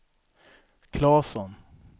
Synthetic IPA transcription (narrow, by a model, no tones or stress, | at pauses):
kʰlɑːsɔn